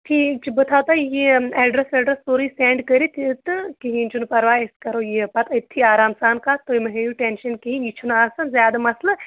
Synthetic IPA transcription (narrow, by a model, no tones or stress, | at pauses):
ʈʰiːt͡ʃibɨt̪ʰaːt̪aːjeeːɖɾɐseɖɾɐst̪oːɾiseːɳɖkəɾit̪t̪ɨkiɦiːnt͡ʃunpɐɾʋaːeskɐɾoːjepɐt̪ɐt̪ʰːiaːɾaːmsaːnkaːt̪oimɐɦejuʈenʃɐnkiɦinit͡ʃʰunasɐnzʲjaːd̪ɐmɐslɐ